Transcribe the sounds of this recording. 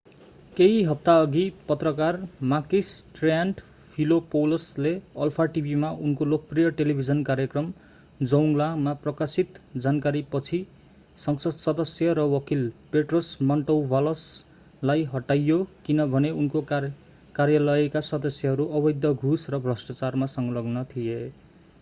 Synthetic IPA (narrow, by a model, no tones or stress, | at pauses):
keiɦʌp̚t̪aʌɡipʌt̪rʌkarmakisʈranɖ | pʰilopolosleʌlpʰaʈibʱimaʔunkolok̚prijʌʈelibʱid͡zʌnkaɾjʌkrʌm | d͡zʌwŋlamaprʌkasit̪d͡zankaɾipʌt͡sʰi | sʌŋsʌd̪sʌd̪ʌsjʌɾʌwʌkilpeʈrosmʌɳʈʌwbʱalʌs | lajɦʌʈajːokinʌbʱʌneunko | karjalʌekasʌd̪ʌsjʌɦʌɾuʔʌbʌjd̪ʱjʌɡʱusrʌbʱrʌsʈat͡sarmasʌŋɡʌlʌɡnʌt̪ʰije